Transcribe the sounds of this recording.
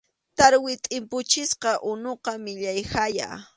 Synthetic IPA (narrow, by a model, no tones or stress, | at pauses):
t̪aɾwɪt̪ʼɪmpʊt͡ʃɪsqɑʔʊnoqɑmɪʎajhaja̰